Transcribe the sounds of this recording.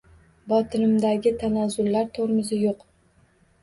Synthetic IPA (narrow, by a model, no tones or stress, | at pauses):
bɒt̪ʰɪnɪmd̪aɡʲɪt̪ʰanazʊlːaɾt̪ʰoɾɪmɪzɪjoq